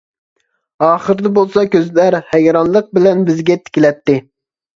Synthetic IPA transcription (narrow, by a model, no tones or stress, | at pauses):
ɑːχəɾɨd̪ɛbolˠsɑkʲøzlæɾhɛjɾɑnlˠəq̚bɪlɛnbɪzɡʲɛt̪ʰɪ̥kʲilɛt̪ːɪ